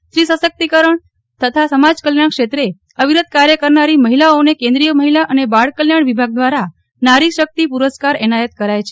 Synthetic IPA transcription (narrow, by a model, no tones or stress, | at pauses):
ʃɾisəsək̚t̪ikəɾəɳ | t̪ət̪ʰasəmad͡ʒkəljaɳkʃet̪ɾe | əʋiɾəd̪̚kaɾjəkəɾnaɾiməɦilaonekẽnd̪ɾijəməɦilaʔənebaɭkəljaɳʋibʱaɡ̚d̪ʋaɾa | naɾiʃək̚t̪ipuɾəskaɾɛnajət̪kəɾajt͡ʃʰe